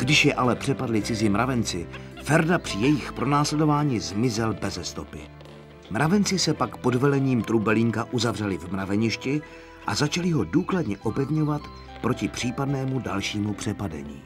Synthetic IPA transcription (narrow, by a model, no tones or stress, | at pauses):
ɡ̥dɪʃjɛʔalɛpr̝̥ɛpadlɪt͡sɪzɪmɾʔavɛnt͡sɪfɛɾdapr̥ɪjɛjɪxpɾo̞naːslɛdovaːɲiːzmɪzɛlbɛzɛst̪o̞pɪ̰ | mɾʔavɛnt͡sɪsɛpakpo̞dvɛlɛɲiːmt̪ɾubɛliŋkaʔuzavrɛlɪvmɾavɛɲɪʃcɪ | ʔazat͡ʃalɪɦo̞duːkladɲɛʔo̞pɛvɲo̞vat̪ | pɾo̞cɪpr̝̥iːpadnɛːmudalʃiːmupr̥ɛpadɛ̰ɲḭː